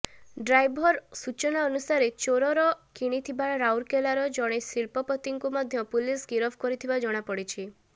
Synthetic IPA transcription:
ɖɾajbʱɔɾsut͡ʃɔnɔːnusaɾet͡ʃoɾɔɾɔkiɽ̃it̪ʰibaɔɾawɾkelaɾɔd͡ʒɔɽ̃esilpɔpɔt̪iŋkumɔd̪ʱjɔpulisɡiɾɔpʰkɔɾit̪ʰibad͡ʒɔɽ̃apɔɽit͡ʃʰi

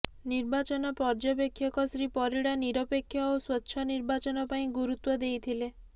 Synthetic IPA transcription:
niɾbat͡ʃɔnɔpɔɾd͡ʒɔpekʰːjɔkɔsɾipɔɾiɽaniɾɔpekʰːjaoswɔtːʃʰɔniɾbat͡ʃɔnɔpaĩɡuɾut̪wɔd̪ejt̪ʰile

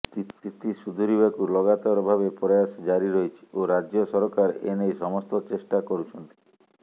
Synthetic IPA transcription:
t̪iit̪isud̪ʱuɾibakulɔɡat̪ɔɾɔbʱabepɔɾajasd͡ʒaɾiɾojt͡ʃʰi̥oɾad͡ʒoʃɔɾɔkaɾḛnejʃɔmɔst̪ɔt͡ʃesʈakoɾut͡ʃʰont̪i̥

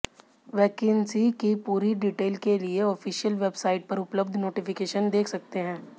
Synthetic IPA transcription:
ʋɛːkɪnsikipuːɾiɖiːʈeːlkelieɔːfʰiːʃijəlʋebsaːɪʈ̚pɐɾʊpləbd̪ʱnoːʈifɪkeːʃənd̪eːkʰsɐk̚t̪eɦɛ̃ː

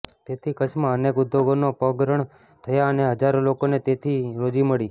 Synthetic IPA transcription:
t̪et̪ʰikət͡ʃʰmãənekʊd̪ːjoɡonopəɡɾəɳ | t̪ʰəjaəneɦəd͡ʒaɾolokonet̪et̪ʰiɾod͡ʒiməɭi

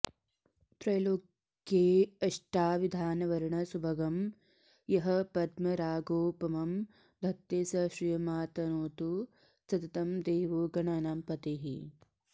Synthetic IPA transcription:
t̪ɾɐjloːkː | eːɐʂʈaːʋid̪ʱaːnɐʋɐɾɐɳɐsubʱɐɡɐm | jɐɦɐpɐd̪mɐɾaːɡoːpɐmɐm | d̪ʱɐt̪ːeːsɐʃɾiːɐmaːt̪ɐnoːt̪u | sɐt̪ɐt̪ɐmd̪eːʋuɡɐɳɐnaːmpɐt̪eːɦḭ

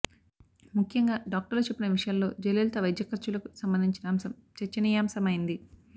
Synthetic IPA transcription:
mukʰːjɐŋɡaːɖaːk̚ʈɐɾlot͡ʃepːinɐʋiʂɐjɐmlo̞ːd͡ʒeleːlt̪ɐʋɐjd̪jɐkɐɾt͡ʃulɐkusɐmbɐnd̪iɲt͡ʃinaːmsɐmt͡ʃɐɾt͡ʃːɐniːjaːmsɐmɐjind̪i

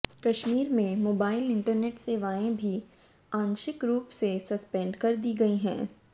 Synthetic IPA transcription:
kɐʃmiːɾmẽmoːbaːɪlɪ̃ɳʈəɾneːʈseːʋaːẽbʱi | ãːmʃɪkɾuːpsesɐspɛ̃ːɳɖkɐɾd̪iːɡɐiɦɛ̰̃ː

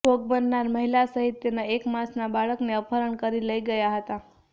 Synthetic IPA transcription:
oɡ̚bənːaɾməɦilasəɦit̪ːenaekmãsnabaɭəkneəpʰəɾəɳkəɾiləiɡəjaɦət̪a

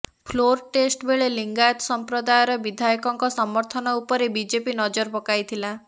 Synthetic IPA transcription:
pʰloɾʈesʈbeɭeliŋɡajɔt̪ɔ̥sɔmpɾɔd̪ajɔɾɔbid̪ʱajɔkɔŋkɔsɔmɔɾt̪ʰɔnɔupɔɾebid͡ʒepinɔd͡ʒɔɾbɔkajt̪ʰila

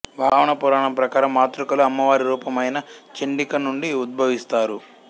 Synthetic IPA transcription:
bʱaːʋɐɳɐpuɾaːɳɐmpɾɐkaːɾɐmːaːt̪ɾukɐluɐmːɐʋaːɾiɾuːpɐmɐjnɐt͡ʃeɳɖikɐnuɳɖiud̪̚bʱɐʋist̪aːɾu

